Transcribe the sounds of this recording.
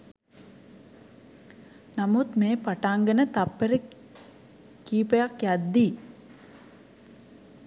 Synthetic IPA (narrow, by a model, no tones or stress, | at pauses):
namut̪meːpaʈaŋɡənət̪apːeɾə | kiːpəjakjad̪ːi